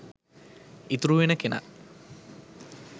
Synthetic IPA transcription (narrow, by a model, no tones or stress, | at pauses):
it̪uɾuʋenəkena̰